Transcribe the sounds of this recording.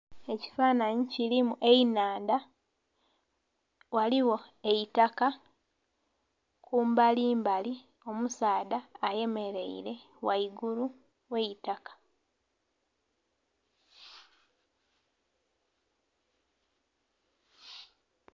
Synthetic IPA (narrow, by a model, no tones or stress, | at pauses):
e̞ci̥faːnaɲicilimuʔe̞inaːnda | waliwo̞ | e̞jitaka | kuːmbaliːmbali | o̞musaːdaːje̞me̞ɾe̞̰ḭɾe̞ | waiɡulu | we̞itakḁ